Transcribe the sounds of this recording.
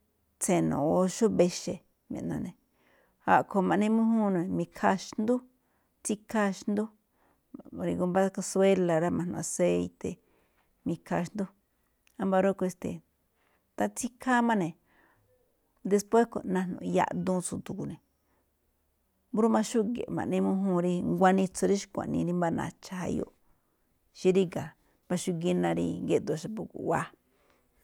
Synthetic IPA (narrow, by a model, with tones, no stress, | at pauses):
t͡se˧˨nõ̰˨o˧ʃo˦be˧ʃe˧ | mḛ̃˨ʔnã̰˧nẽ˨ | ha̰˨ʔkʰo˧mã˨ʔnẽ˧mũ˦ɦũ˦nõ˧˨mĩ˧kʰa˧ʃnd̪u˦ | t͡si˦kʰa˧ʃnd̪u˦˨ | ɾi˧ɡo˧mba˦ka˧swe˦la˨ɾa˦mã˨nã̰˧se˦˧i˧t̪e˨ | mĩ˧kʰa˧ʃnd̪u˦ | a˧mba˧ɾo˦˧ko˧e˧st̪ḛ˨ | t̪a˧t͡si˦kʰa˦mã˦nẽ˨ | d̪e˧spwe˦sko˨nã˧nõ̰˨˧ja̰˧ʔd̪ũ˦t͡su˧t̪u˨ku˨nẽ˨ | bu˦ɾu˦mã˧ʃu˦ɡḛ˨mã̰˨nẽ˧mũ˦ɦũ˧ɾi˧ŋɡʷa˧nĩ˧t͡so˧ɾi˦ʃi̥˦kʷã̰˨ʔnḭ̃˧ɾi˦mba˧nã̰˧˨t͡ʃa˧ha̰˧jo̰˧ʔ | ʃi˧˦ɾi˦ɡa˨ | mba˧ʃu˦˧ɡi˧nã˧ɾḭ˧ŋɡe˧˦d̪o˧˨˧ʃa˧pu˧kṵ˨wa˧